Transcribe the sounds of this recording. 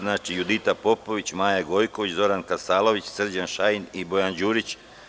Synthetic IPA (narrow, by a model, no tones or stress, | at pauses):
nat͡ʃijud̪it̪apo̞po̞ʋit͡ɕmaːjaɡo̞jkoʋit͡ɕzo̞ɾankasaːlˠo̞ʋit͡ɕsr̩d͡ʑanʃajinibo̞jand͡ʑuːɾit͡ɕ